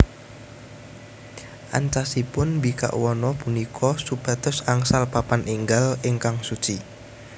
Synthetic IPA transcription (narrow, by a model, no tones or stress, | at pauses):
ʔa̰nt͡ʃasipʊnbika̰ʔwɔnɔpunikʰɔsub̥a̤t̪ʊsaŋsalpapanʔiŋɡalɪŋkaŋsut͡ʃi